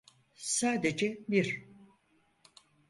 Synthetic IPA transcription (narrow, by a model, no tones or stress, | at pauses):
saːd̪ed͡ʒɛbiɾ